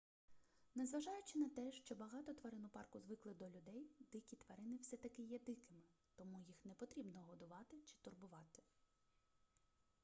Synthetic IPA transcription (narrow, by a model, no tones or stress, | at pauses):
nɛzʋɐʒɑjʊt͡ʃɪnɐt̪ɛʃt͡ʃɔbɐɦɑt̪ɔt̪ʋɐɾɪnʊpɑrkʊzʋɪklˠɪd̪ɔlʲʊd̪ɛjd̪ɪkʲit̪ʋɐɾɪnɪwsɛt̪ɐkɪjɛd̪ɪkɪmɪt̪ɔmujixnɛpɔt̪ɾʲibnɔɦɔd̪ʊʋɑt̪ɪt͡ʃɪ̥t̪ʊrbʊʋɑt̪ɪ̥